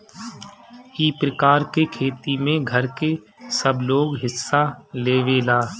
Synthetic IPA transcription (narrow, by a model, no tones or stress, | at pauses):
iːpɾəkaːɾkekʰeːt̪imẽɡʱəɾke | səbloːɡɦɪsːaleːʋelaː